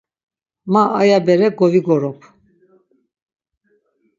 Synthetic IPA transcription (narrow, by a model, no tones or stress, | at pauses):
maʔːjabɛɾɛɡɔviɡɔɾɔpʰ